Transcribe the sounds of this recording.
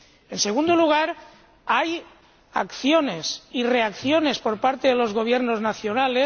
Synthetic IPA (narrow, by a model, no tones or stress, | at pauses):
ense̞ɣ̞und̪oluɣ̞aɾ | aj | a̰kθjonesire̞akθjone̞spo̞ɾpaɾt̪eðelo̞zɣo̞β̞jeɾnoznaθjo̞nale